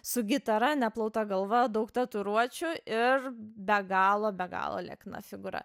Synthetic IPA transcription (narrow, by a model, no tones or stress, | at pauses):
sʊɡʲɪt̪ɐɾɐnʲɛplˠɐʊt̪ɐɡɐlˠʋɐd̪ɐʊkt̪ɐt̪ʊɾuɔt͡ʃʲʊɪrbʲɛɡɑːlˠoːbʲɛɡɑ̰ːlˠo̰lʲɛ̰knɐ̰fʲɪɡʊɾɐ̰